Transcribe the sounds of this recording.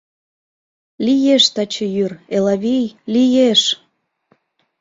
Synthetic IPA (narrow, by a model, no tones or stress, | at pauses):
lʲijeʃt̪ɑt͡ɕə̆jyrelɑβʲijlijeʃ